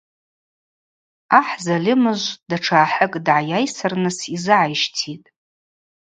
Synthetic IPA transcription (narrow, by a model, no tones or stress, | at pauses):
aħzalʲɪmɨʒʷd̥aʈ͡ʂʰaːħəkʼdʕajajsɨrnɨsizɨʕajʃtʰitʼ